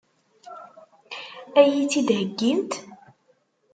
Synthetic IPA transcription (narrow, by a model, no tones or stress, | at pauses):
æjit͡sːid̪ɦəɡːint̪